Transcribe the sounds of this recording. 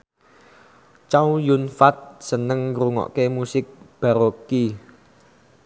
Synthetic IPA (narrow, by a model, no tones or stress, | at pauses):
t͡ʃawjunfat̪̚sənəŋɾuŋɔ̰ʔkemusɪk̚b̥a̤ɾoki